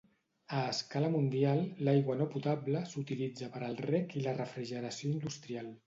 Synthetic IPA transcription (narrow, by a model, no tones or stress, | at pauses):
əːskaləmund̪ialˠlajɣwənoput̪abləsut̪ilid͡zəpəɾəlˠrɛkilərəfɾiʒəɾəsioind̪ust̪ɾialˠ